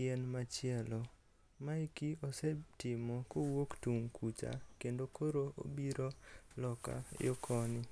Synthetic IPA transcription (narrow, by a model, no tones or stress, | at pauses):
ɛnmat͡ʃɪɛlɔ | maikiɔsɛtɪmɔkowoktuŋkʰut͡ʃa̰kendokʰoɾoʔo̰biɾolɔka̰jokʰɔnɪ